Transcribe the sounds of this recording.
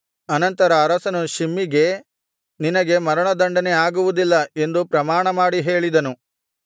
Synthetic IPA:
ɐnɐnt̪ɐɾɐːɾɐsɐnuʃimːiɡe̞ | ninɐɡe̞mɐɾɐɳɐd̪ɐɳɖɐnɛaːɡuʋud̪ilːɐe̞nd̪upɾɐmaːɳɐmaːɽiɦe̞ːɭid̪ɐnu

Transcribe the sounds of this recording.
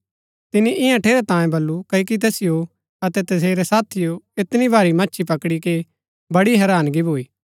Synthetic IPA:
t̪ɪniʔɪjãʈʰeːɾet̪ãːjẽbɐlːukɐik̬it̪̬ɛːsɪjo | ɐt̪ɛt̪ɐs̬eːɾɛsaːt̪ʰijoɪt̪nibʱaːɾimɐtːʃʰipɐkɽike | bɐɽiɦɛːɾaːnɡibʱoːiː

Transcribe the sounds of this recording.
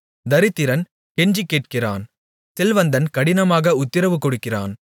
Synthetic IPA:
d̪ɐɾɪt̪ːɪɾɐn | kɛɲd͡ʒikːeːʈ̚kɪra̰ːn | sɛlʋɐnd̪ɐnkɐɽɪnɐmaːɣɐʊt̪ːɪɾɐʋɯkːɔɽɯkːɪra̰ːn

